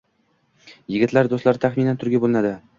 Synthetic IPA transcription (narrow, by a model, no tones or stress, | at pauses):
jɪɡʲɪt̪laɾd̪ost̪laɾt̪ʰaχminant̪ʰʊɾɡʲabolˠɪnad̪ɪ